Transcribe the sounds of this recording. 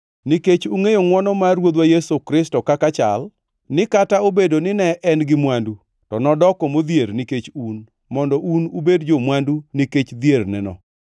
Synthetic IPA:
niket͡ʃuŋejoŋwɔnɔmaɾwod̪wajesokɾɪstɔkakat͡ʃa̰l | nɪkataobedonɪnɛʔɛnɡɪmwandu | tɔnɔdɔkɔmod̪jeɾniket͡ʃun | mɔndɔʔunubedd͡ʒomwanduniket͡ʃd̪jernɛ̰nɔ̰

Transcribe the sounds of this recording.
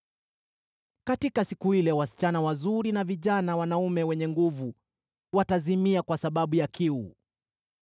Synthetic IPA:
katikasikuilɛwasi̥t͡ʃanawazuɾinaviʄanawanaumɛwɛɲɛŋɡuvu | watazimiakwasaɓaɓujakʰiu

